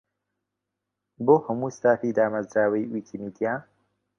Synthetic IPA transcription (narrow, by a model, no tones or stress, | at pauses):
boːhəmuːst̪aːfiːd̪aːmazɾaːwɐjwiːkʰimid̪ijaː